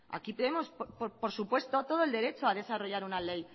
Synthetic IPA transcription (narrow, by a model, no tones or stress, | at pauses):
a̰kipeðemo̞sppopo̞ɾsupwe̞st̪o̞t̪o̞ð̞oe̞ld̪e̞ɾe̞t͡ʃoaðe̞saro̞ʝaɾunale̞j